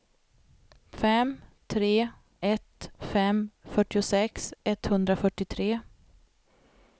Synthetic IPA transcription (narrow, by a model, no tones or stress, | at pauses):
fɛmt̪ʰɾeː | ɛt̪fɛmfœʈːɪʊsɛksɛt̪hɵnd̪ɾafœʈːɪt̪ʰɾeː